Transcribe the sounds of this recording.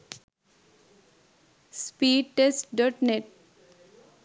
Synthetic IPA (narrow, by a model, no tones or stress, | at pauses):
spiːɖʈesʈɖəʈneʈ̚